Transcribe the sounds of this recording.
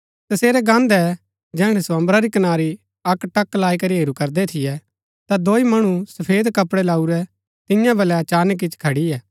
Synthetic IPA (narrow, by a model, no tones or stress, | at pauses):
t̪ɐseːɾɛɡãːnd̪ɛ | d͡ʒɛːɽ̃ɛsãːmbɾaɾikɐnaːɾi | ɐkʈɐkːlaːikɐɾiɦeːɾukɐɾd̪ɛt̪ʰɪjɛ | t̪ad̪oːimɐɽ̃usɐpʰeːd̪kɐpɽɛlaːuɾɛ | t̪ɪjãbɐlɛt͡ʃaːnk̬ɪt͡ʃkʰɐɽiɛː